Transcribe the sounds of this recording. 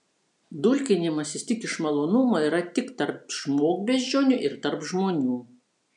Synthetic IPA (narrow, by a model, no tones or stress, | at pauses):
d̪ʊlʲkʲɪnʲɪmɐsʲɪst̪ʲɪkʲɪʃmɐlˠoːnʊmɐiːɾɐt̪ʲɪkt̪ɐɾpʃmoːɡbʲeːzʲd͡ʒʲoːnʲʊʔɪɾt̪ɐɾpʒmoːnʲuː